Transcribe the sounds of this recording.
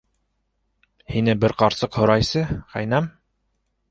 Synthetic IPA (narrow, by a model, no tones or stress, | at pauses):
hinɘbɘɾqɑɾsɤqhŏɾɑjsɤχæ̰jnæm